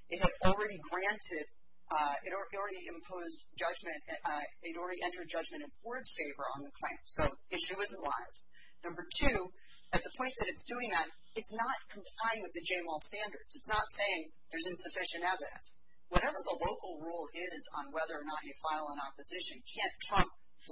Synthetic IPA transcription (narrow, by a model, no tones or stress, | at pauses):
ʔɨt̚hɨɾl̩ˠɹɛɾiɡɹæ̃ntʰɪɾ | ɪɾ̩ɪl̩ˠɹɛɾiɨ̃mpʰoʊz | d͡ʒʌd͡ʒmɨ̃ntɪɾl̩ˠɹɛɾiʔɛ̃ntə˞d̚d͡ʒʌd͡ʒmɨ̃ɾ̃ɨ̃nwɜ˞dz̥feɪvə˞ə̰̃nðɨkʰl̥ẽɪ̃msoʊ | ɪʃʉʌz̃nʔla̰ɪv̥ | nʌ̃mbə˞tʰʉ | ɨt̪̚ðəpʰɔ̃ɪ̃nðɨɾɨtsd̥ʉɪ̃ŋðɨɾ | ɨtsnət̚kʰm̩pʰl̥ãɪ̃nwɨðɨd͡ʒẽɪ̃mɔlˠstæ̃ndə˞dz̥ɨtsnətseɪɪ̃ŋ | ðə˞zɨ̃nsɨfɪʃɨ̃nɛvɨɾɨ̰̃ns | wʌɾɛvə˞ðəloʊkl̩ˠɹulˠɪzn̩wɛðə˞ːnəɾɨfaɪlˠə̃nɑpɨzɪʃɨ̃nkʰæ̃ntʰɹ̥ʌ̃mp̚